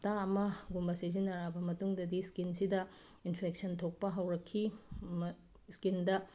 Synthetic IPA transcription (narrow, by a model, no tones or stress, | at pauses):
taɐmɐɡumbɐsizinɐɾabɐmɐtuŋdɐdiskinsidɐ | inpʰek̚sɐntʰok̚pɐɦɐwɾɐkʰːi | skindɐ